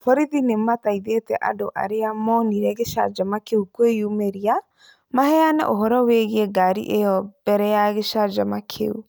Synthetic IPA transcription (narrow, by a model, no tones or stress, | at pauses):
fɔɾiðinemataiðetɛʔa̰doʔa̰ɾeamɔniɾɛɣeʃa̰d͡ʒamakeukwejumeɾia | mahɛanɛ̰ʔoɦɔɾɔweɣeeɡaɾḭʔejɔb̥ɛɾɛjaɣeʃad͡ʒamakʰḛu